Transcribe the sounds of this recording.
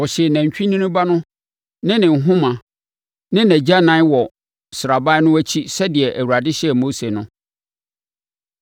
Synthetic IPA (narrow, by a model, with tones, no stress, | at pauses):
ɔ˨ɕɛ˨næ̃˨ɲ˨t͡ɕᶣĩ˦nĩ˦nʊ̃˦ba˦nʊ̃˦ | nɪ̃˦nɪ̃˨n̩˨ɦʊ̃˦mã˨ | nɪ̃˦næ̃˨d͡ʑa˦nã˦wɔ˨ | sɪ˨ɾa˨ba˦nʊ̃˦æ˦t͡ɕʰi˦sɛ˦dɪ˨ɛ˨ʔæ˨wu˨ɾa˨dɪ˦ɕɛ˦ɛ˨mo˦se˨nʊ̃˦